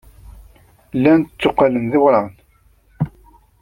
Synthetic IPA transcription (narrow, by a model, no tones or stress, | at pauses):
lːænt̪ət͡sːoqːalənðɪwɾˤɑʁn